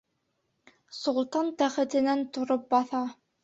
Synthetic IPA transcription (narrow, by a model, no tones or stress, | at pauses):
sŏlˠt̪ɑnt̪æχɘ̆t̪ɘ̆nænt̪ŏɾop̚bɑθɑ